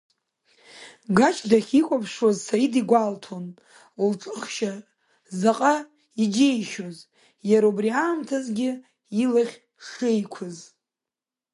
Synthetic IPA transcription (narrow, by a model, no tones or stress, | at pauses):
ɡat͡ʃʰdaχʲikʷʼapʰʂwazsajidiɡʷaltʰon | ulʈ͡ʂʼɨχʃa | zaqʼa | id͡ʒejʃoz | jaɾaubriʕaːmtʰazɡʲɪ | ilaχʲ | ʂejkʷʰʊz